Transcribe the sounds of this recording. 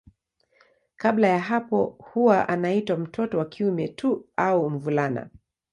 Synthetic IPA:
kablajaɦapɔhuwaʔanaitwam̩tʰɔtɔwakiumɛtʰuaum̩vulana̰

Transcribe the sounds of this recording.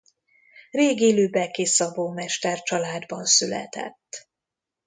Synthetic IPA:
reːɡeːløːbɛkisɒvoːmɛʃt̪ɛrt͡ʃɒlaːd̪bɒnsylɛ̰t̪ɛ̰t̪ː

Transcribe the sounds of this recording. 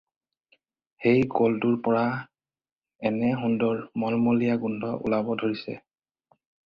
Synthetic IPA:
hejɡolduɹpɔɹa | ɛnɛɦundɔɹmɔlmolijaɡundʱɔʔʊ̰labɔdʱoɹisɛ̰

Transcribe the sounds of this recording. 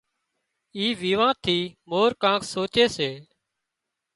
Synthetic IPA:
iːʋiːʋãːt̪ʰiːmoːɾkãːkʰsoːt͡ʃeːseː

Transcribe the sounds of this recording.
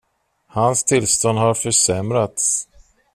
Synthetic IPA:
hanst̪ʰɪlst̪ɔnd̪haɾfœʂɛmɾat̪s

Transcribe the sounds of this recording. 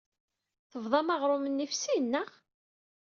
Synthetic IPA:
θəvðˤɑmɑʁɾˤʊmənːifsinːəʁ

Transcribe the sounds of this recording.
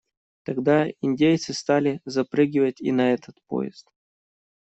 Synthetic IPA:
t̪ɐɡd̪aɪnʲdʲejt̪sɨst̪alʲɪzɐpɾɨɡʲɪvətʲḭnɐɛt̪ʰət̪po̰jɪ̰st̪

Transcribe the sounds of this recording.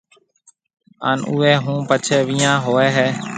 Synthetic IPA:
a̰ːnṵːeːɦũːpət͡ʃʰeːʋiːãːɦoːeːɦeː

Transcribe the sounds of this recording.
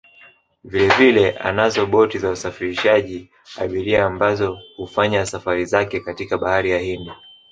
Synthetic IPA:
vilɛvilɛʔa̰nazɔɓɔtizausafiɾiʃaʄi | a̰ɓiɾiaːmbazɔhufaɲasafaɾizakɛkatikaɓahaɾijahindi

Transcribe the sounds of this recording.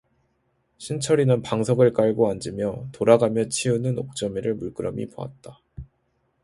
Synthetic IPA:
ɕʰint͡ɕʰʌɾinɯnpaŋsʰʌɡɯɭk͈aɭɡoand͡ʑɯmjʌtoɾaɡamjʌt͡ɕʰiunɯnok̚t͡ɕ͈ʌmiɾɯɭmuɭk͈ɯɾamḭpoa̰t̚t͈a

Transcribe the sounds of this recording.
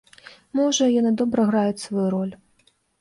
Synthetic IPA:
mɔʐɐjɔnɨd̪ɔbɾɐɣɾajʊt͡sʲsvɐjuɾɔlʲ

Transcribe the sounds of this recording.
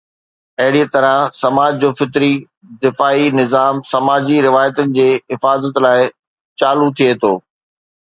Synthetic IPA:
ɐɦɪɽiət̪ɐɾə̃sɐmaːd͡ʑd͡ʑoːfɪt̪ɾi | d̪ɪfaːinɪzaːmsɐmaːd͡ʑiɾɪʋaːjət̪ənɪ̆d͡ʑeːɦɪfaːzət̪laːɪ | t͡ɕaːlut̪ʰijet̪ʰoː

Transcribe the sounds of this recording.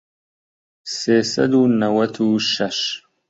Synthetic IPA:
sesɐ̰d̪unɐwɐt̪ʰuʃɐʃ

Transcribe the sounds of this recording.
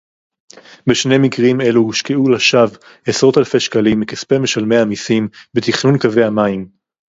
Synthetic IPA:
beʃne̞mikʁime̞luhiʃkeulaʃav | esʁo̞t̪alfeʃkalimekispemeʃalme̞jamisimbet̪iχnunkave̞hamaim

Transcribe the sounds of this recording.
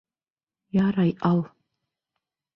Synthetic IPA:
jaɾajʔal

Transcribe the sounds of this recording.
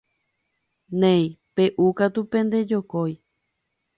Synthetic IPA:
nẽjpe̞ʔukat̪upẽnd̪e̞d͡ʒokoj

